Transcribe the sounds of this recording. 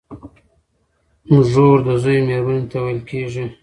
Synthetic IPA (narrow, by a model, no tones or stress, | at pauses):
muʒoɾd̪əzojmeɾbənet̪awajlkeʒi